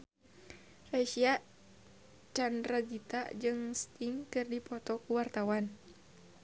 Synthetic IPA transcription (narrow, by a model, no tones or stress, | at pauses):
raʃia | t͡ʃandɾaɡit̪a̰d͡ʒɨŋst̪iŋkɨrdipɔt̪ɔkuwart̪awan